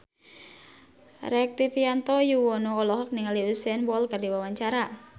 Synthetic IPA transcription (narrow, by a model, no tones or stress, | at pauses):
rɛk̚t̪ifiant̪ɔjuwɔnoːlɔɦɔk̚niŋaliusɛnwɔlkardiwawaɲt͡ʃaɾa